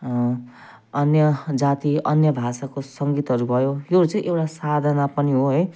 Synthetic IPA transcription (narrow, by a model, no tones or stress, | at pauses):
ʌnjʌd͡zat̪iʌnjʌbʱasakosʌŋɡit̪ɦʌɾubʱʌjojoɾut͡sʌ̃ĩʔewʈasad̪ʱʌnapʌniɦoɦʌj